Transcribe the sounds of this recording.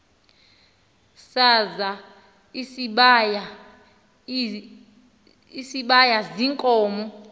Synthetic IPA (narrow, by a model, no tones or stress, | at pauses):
saza | isɓaja | isiɓajaziŋkʼɔːmɔ